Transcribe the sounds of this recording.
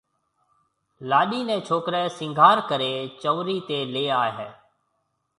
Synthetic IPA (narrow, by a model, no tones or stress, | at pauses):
laːɗiːnẽːt͡ʃʰoːkɾɛːsɪ̃ŋɡʱaːɾkəɾeːt͡ʃəːʋɾiːt̪eːleːaːɦeː